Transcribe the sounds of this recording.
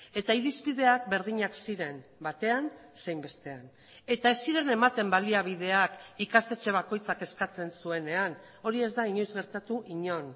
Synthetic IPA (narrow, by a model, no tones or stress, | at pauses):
e̞t̪aiɾizβið̞e̞akbe̞ɾð̞iɲaksiɾe̞mbat̪e̞anse̞jmbe̞st̪e̞an | e̞t̪ae̞sːiɾe̞ne̞mat̪e̞mbaliaβ̞ið̞e̞akikast̪e̞t͡ʃe̞β̞ako̞jt͡sake̞skat͡se̞nsue̞ne̞an | o̞ɾie̞zd̪aiɲo̞jzɣe̞ɾt̪at̪uʔiɲo̞n